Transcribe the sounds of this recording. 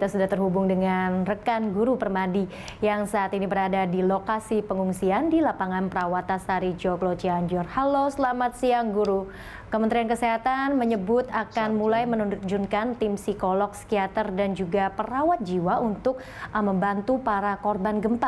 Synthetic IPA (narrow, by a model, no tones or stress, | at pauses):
kit̪asudaht̪ərhubʊŋdəŋanrəkanɡuɾupərmadi | jaŋsaːt̪inibəɾadadilokasipəŋuŋsiandilapaŋanpəɾawat̪asaɾid͡ʒoklot͡ʃiaɲd͡ʒɔrhalosəlamat̪̚siaŋɡuɾu | kəmənt̪ɾiankəseɦat̪anməɲəbʊt̪akanmulajmənud͡ʒunkant̪ɪmsikolɔkskiat̪ərdand͡ʒuɡapəɾawat̪̚d͡ʒiwaʔunt̪ʊk̚ | məmbant̪upaɾakɔrbanɡəmpa